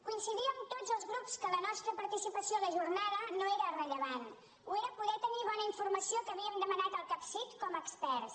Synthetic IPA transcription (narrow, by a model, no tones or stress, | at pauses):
kuinsiðiəmt̪od͡zəlˠzɣɾupskələnɔst̪ɾəpəɾt̪isipəsioləʒurnaðənoeɾərəʎəβan | ueɾəpuðɛt̪əniβɔnəiɱfurməsiokəːβiəmd̪əmənat̪əlˠkapsit̪kɔməːkspɛɾs